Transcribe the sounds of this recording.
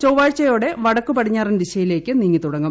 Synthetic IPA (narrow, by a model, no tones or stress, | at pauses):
t͡ɕowʋaːɻt͡ɕːɐjo̞ːɽe̞ʋɐɽɐkːupɐʈʰiɲːaːrindiɕɐjile̞ːkːɨniŋːit̪uɽɐŋːɐm